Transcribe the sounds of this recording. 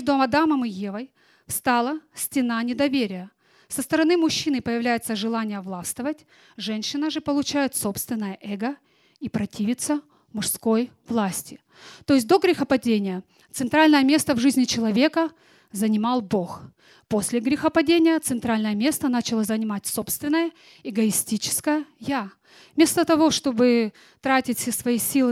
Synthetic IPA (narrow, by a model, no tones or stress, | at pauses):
mʲʐd̪ʊɐmɐd̪aməmɨjevəj | fst̪ɑlˠəsʲtʲɪnanʲɪd̪ɐvʲeɾʲɪjə | səst̪əɾɐnɨmʊɕːinɨpəjɪvlʲæjɪt̪səʐɨlˠanʲɪjəvlˠast̪əvətʲ | ʐɛnʲɕɪnəʐɨpəlˠʊt͡ɕæjɪt̪so̞pst̪vʲɪnːəjəʔɛɡə | ipɾɐtʲivʲɪt̪sə | mʊʂsko̞j | vlˠasʲtʲɪ | t̪o̞ɪs̬ʲt̚ʲd̪o̞ɡɾʲɪxəpɐdʲenʲɪjə | t̪sɨnt̪ɾalʲnəjəmʲe̞st̪əvʐɨzʲnʲɪt͡ɕɪlˠɐvʲe̞kə | zənʲɪmɑlˠbo̞x | po̞sʲlʲɪɡɾʲɪxəpɐdʲenʲɪjət̪sɨnt̪ɾalʲnəjəmʲe̞st̪ənat͡ɕɪlˠəzənʲɪmatʲso̞pst̪vʲɪnːəjə | ɪɡəɪsʲtʲit͡ɕɪ̥skəjəja | mʲe̞st̪ət̪ɐvo̞ʂt̪o̞bɨ | t̪ɾatʲɪtʲfʲsʲesvɐjisʲilˠɨ